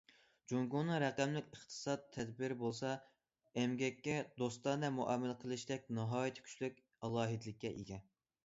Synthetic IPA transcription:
d͡ʒuŋɡunɨɾɛqæmlɪkʲəχt̪ʰɨ̥sɑt̪ʰːɛd̪bɪɾɪbolˠsɑ | ɛmɡʲɛkʲːɛd̪ost̪ɑnd̪ɛmuʔɛmːɪlqʰəlˠɨʃd̪ɛk̚ʲnɑɦɑːjit̪ʰɪ̥kʲʰy̥t͡ʃlykʲ | ɑlˠɑːɦid̪ɪlɪkʲːɛʔḭɡʲɛ

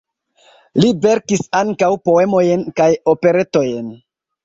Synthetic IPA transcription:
libe̞ɾkisaŋkawpo̞e̞mo̞jenkajo̞pe̞ɾe̞to̞jen

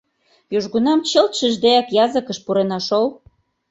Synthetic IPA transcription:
juʒɣunɑmt͡ɕəlt̪ʃəʒd̪eɑkjɑzəkəʃpuɾenɑʃol

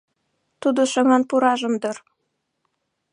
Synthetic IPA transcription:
t̪ud̪ŏʃɤ̆ŋɑnpuɾɑʒɤ̆md̪ɤ̆r

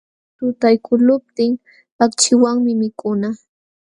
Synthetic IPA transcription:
t̪ʊt̪ajkʰʊlʊp̚t̪ɪŋ | pakt͡ʃɪwaŋmɪmɪkʊna

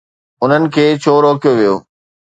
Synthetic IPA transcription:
ʊn̤ənɪ̆kʰeːt͡ɕʰoːɾoːkijoʋijo̰ː

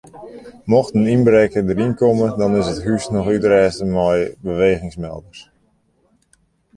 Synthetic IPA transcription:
mɔxtəninbɾekədəɾinkɔmədɔnɪsətɦysnɔxytrɛːstəmɔjbəʋeːɣɪŋsmɛ̰lˠdərs

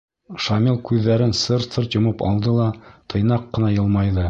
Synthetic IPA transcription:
ʃɑmʲilˠkʉðːæɾɘnsɤɾsɤɾt̪jŏmɤpɑ̰lˠd̪ɤlˠɑt̪ʰɤ̆jnɑqːɤ̆nɑjɤ̆lˠmɑjðɤ

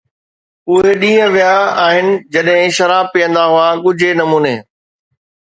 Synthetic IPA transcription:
ʊɦeɗĩːə̃ʋijaaːɦɪnɪ̆d͡ʑɐɗɦɪ̃ʃɐɾaːb̚pijə̃nd̪aɦʊaɠʊd͡ʑʱenɐmuːneː

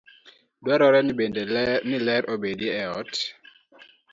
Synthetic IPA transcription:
dwaɾɔɾɛbednɪlɛɾobedjeːɔt

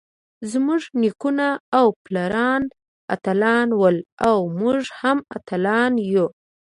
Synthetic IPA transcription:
zmuʐnikunaːwplaɾɑn | a̰t̪alɑnwəlawmuʐhamat̪alɑnju

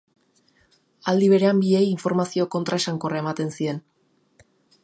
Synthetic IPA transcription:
ald̪iβ̞e̞ɾe̞ambie̞jiɱfo̞ɾmasio̞ko̞nt̪ɾaʃaŋko̞raemat̪e̞nsie̞n

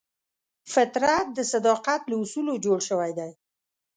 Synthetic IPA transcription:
fɪt̪ɾat̪̚d̪əsad̪ɑqat̪laʊsulod͡ʒoɽʃəwajd̪aj

